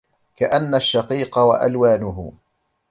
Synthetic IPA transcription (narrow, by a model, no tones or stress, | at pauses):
kaʔanːaʃːɑqiːqɑwa̰ʔa̰lwaːnʊɦʊ̰